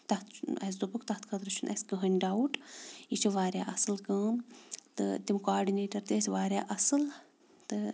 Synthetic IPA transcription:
t̪ɐt̪ʰɐ̰s̬d̪ubukt̪ɐt̪ʰkʰɐt̪ɾɐt͡ʃʰunʔɐ̰sʲkɨɦɐnʲɖawuʈit͡ʃʰiʋaːɾjaːʔɐsɨlkɐːnt̪ɨ̰t̪imkoaːɾɖineːʈɐɾt̪esʲʋaːɾʲjaːʔɐsɨl | t̪ɨ

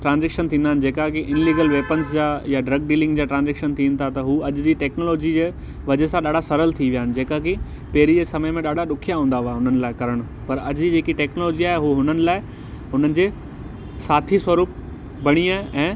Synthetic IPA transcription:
ʈɾãːnzɛːkʃənt̪ʰĩːnd̪aːɪnɪ̆d͡ʑeːkakiʔɪnliːɡəlʋeːpənsd͡ʑaːjaɖɾɐɡ̚ɖiːlɪ̃ŋɡd͡ʑaːʈɾãːnd͡ʑeːkʃənt̪ʰĩːnɪ̆t̪ʰat̪ɐɦuːɐʄʊd͡ʑiːʈɛːknoːloːd͡ʑid͡ʑeː | ʋɐd͡ʑesãɗaːɖasɐɾəlt̪ʰiʋijaːɪnɪ̆d͡ʑeːkaki | peːɾid͡ʑeːsɐməjmẽɗaːɖaɗʊkʰijaɦũːnd̪aɦaːeʊn̤ənɪ̆laːɪkɐɾəɽ̃ʊ̆ | pɐɾɐd͡ʑd͡ʑiːd͡ʑeːkiʈɛːknoloːd͡ʑiaːɦeɦuɦʊnənɪ̆laːɪ | ɦʊn̤ənɪ̆d͡ʑeː | saːt̪ʰiswɐɾuːp̚ | bɐɽ̃iaːɦeʔɛ̃ː

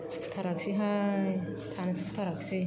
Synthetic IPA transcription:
sʰu̥pʰt̪ʰaɾaksiɦaj | t̪ʰanɯsʰupʰt̪ʰaɾaksi

